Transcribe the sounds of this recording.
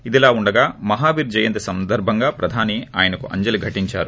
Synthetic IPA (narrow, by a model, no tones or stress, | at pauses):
id̪ilaːuɳɖɐɡaːmɐɦaːbiːɾd͡ʒɐjɐnt̪ɐsɐnd̪ɐɾbʱɐŋɡaːpɾɐd̪ʱaːniaːjɐnɐkuʔɐ̰ɲd͡ʒɐliɡʱɐʈiɲt͡ʃaːɾu